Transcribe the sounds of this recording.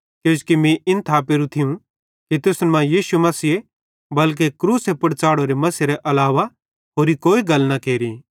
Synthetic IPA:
kjõːd͡ʒkimĩʔɪnt̪ʰaːp̬eːɾũt̪ʰiũ | kit̪ʊsnmãjiːʃumɐsiːe | bɐlk̬ekɾuːsepɐɽt͡ʃaːɽoɾemɐsiɾeʔɐlaːʋa | ɦoːɾikoːiɡɐlnakeːɾi

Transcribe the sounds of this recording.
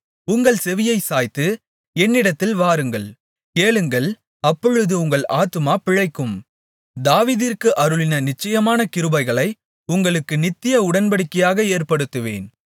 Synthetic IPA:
ʊŋɡɐɭsɛʋɪjɐɪsaːjt̪ːɯ | ɛnːɪɽɐt̪ːɪlʋaːɾɯŋɡɐɭ | keːɭɯŋɡɐɭ | ɐpːɔɻɯðɯʊŋɡɐɭʔaːt̪ːɯmaːpɪɻɐɪkːɯm | d̪aːʋiːðɪrkɯʔɐɾɯɭɪnɐnɪt͡ʃːɐjɐmaːnɐkɪɾɯbɐɪɣɐɭɐɪ | ʊŋɡɐɭɯkːɯnɪt̪ːɪjɐʊɽɐnpɐɽɯkːɐjaːɣɐeːrpɐɽɯt̪ːɯʋḛːn

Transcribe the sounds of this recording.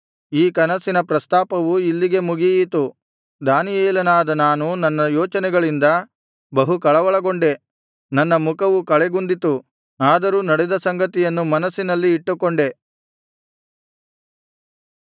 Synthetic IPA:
iːkɐnɐsinɐpɾɐst̪aːpɐʋuilːiɡe̞muɡijit̪u | d̪aːnijeːlɐnaːd̪ɐnaːnunɐnːɐjɔːt͡ʃɐnɛɡɐɭind̪ɐ | bɐɦukɐɭɐʋɐɭɐɡo̞ɳɖe̞ | nɐnːɐmukɐʋukɐɭeɡund̪it̪u | aːd̪ɐɾuːnɐɽɛd̪ɐsɐŋɡɐt̪ijɐnːumɐnɐsːinɐlːiːʈːukːoɳɖe̞

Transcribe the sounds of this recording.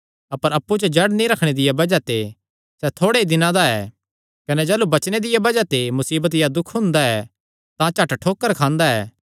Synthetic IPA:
ɐpəɾɐpːut͡ʃɐd͡ʒɐɽnĩɾɐkʰɽ̃ed̪ɪjabɐd͡ʒat̪e | sɛt̪ʰoːɽeid̪ɪnãd̪aɛː | kɐnɛd͡ʒɛːlubɐt͡ʃñed̪ɪjabɐd͡ʒat̪emʊsiːbət̪̬jad̪ʊkʰɦʊ̃nd̪aɛ | t̪ãt͡ʃɐʈʈʰoːkːəɾkʰãːnd̪aɛː

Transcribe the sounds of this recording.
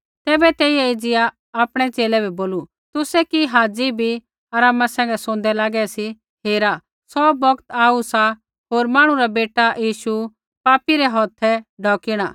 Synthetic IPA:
t̪ɛːbɛt̪ɛːijɛɪd͡zɪjaː | pɽ̃ɛt͡ʃeːlɛbʱɛboːlu | t̪ʊsɛkiɦaːd͡zibʱi | ɐɾaːmasɛ̃ːŋɡɛsõːn̆d̪ɛlaːɡɛsi | ɦeːɾa | sɔbɔkt̪aːusa | ɦoːɾmãːɽ̃ũɾabeːʈajiːʃu | paːpiɾɛɦɔːt̪ʰɛɖʱɔːkiɽ̃a̰ː

